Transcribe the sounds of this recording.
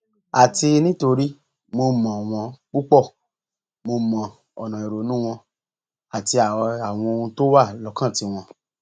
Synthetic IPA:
a˨ti˧nĩ˦to˧ɾi˦ | mo˧mã˨w̃ɔ̃˧k͡pu˦k͡pɔ˦˨ | mo˧mã˨ | ɔ˨nã˨i˨ɾo˨˦nũ˦w̃ɔ̃˧ | a˨ti˧a˨˧a˨w̃ɔ̃˧o˧ũ˧to˦wa˦˨lɔ˨˧˦kã˦˨ti˧w̃ɔ̃˧

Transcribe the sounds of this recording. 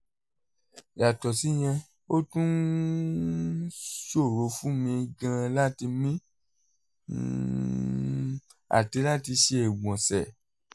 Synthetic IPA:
ja˨tɔ˨si˨˦j̃ɛ̃˧ | o˦tũ˦n | ʃo˦˨ɾo˨˦fũ˦mĩ˧ɡã˧la˦ti˧mĩ˦ | a̰˨ti˨˦la˦ti˧ʃe˧e˨wɔ̃˨sɛ˨

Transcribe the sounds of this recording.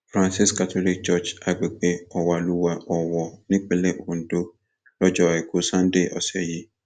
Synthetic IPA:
fɾã˨nsi˦ska˨tʰo˦li˦k̚d͡ʒɔ˦t͡ʃa˨ɡ͡be˨ɡ͡be˦ɔ˨wa˨lu˦wa˦ʔɔ˨wɔ˨nɪ̃˦k͡pe˦le˦o˨n˨do˦ | ɾɔ˦d͡ʒɔ˨ɛ˨ko˦sã˦n˦de˦˨ʔɔ˨sɛ˨ji˦

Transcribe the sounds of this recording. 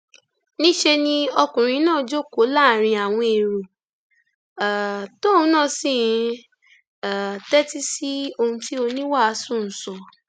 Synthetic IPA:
nĩ˦ʃe˧nĩ˦ɔ˧kũ˨ɾ̃ĩ˧˦nãː˦˨˦d͡ʒo˦˨ko˨˦la˦˨ɾ̃ĩ˧a˨w̃ɔ̃˧e˨ɾo˨ | to˦˨ũ˧˦nãː˦˨sĩ˦˨˧ | a˨tɛ˦ti˦si˦o˧hũ˧ti˦o˧nĩ˦wa˦a˧˦sũ˦˨n̩˨sɔ˨

